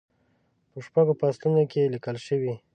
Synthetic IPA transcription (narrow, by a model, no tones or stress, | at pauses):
pəʃpaɡopast̪unokelikəlʃəwi